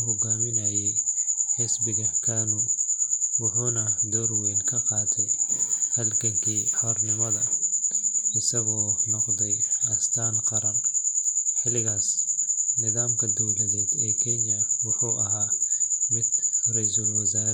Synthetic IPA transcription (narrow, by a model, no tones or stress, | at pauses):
ɦɔɡaːmɪnɐjɛjħɪsbɪɣɐkʰaːnu | wʊħuːnɐd̪ɔrwɛːnkʰɐqɑːt̪ʰɛjhɐlkʰɐŋkʰiːħɔːrnɪmɐðɐ | ɪsɐɣɔːnɔqd̪ɛjɐst̪ʰaːnqɑɾɐm | ħɪlɪɣaːsnɪðaːmkʰɐd̪ɔwlɐðɛːd̪ɛːkʰɛɲjɐwʊħuːʔɐɦaːmɪd̪rɛjsɐlwɐsaːɾ